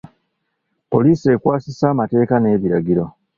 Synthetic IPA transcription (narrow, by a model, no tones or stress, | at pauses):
po̞liːse̞kwaːsisaːmate̞ːkane̞ːβiɾaɡiɾo̞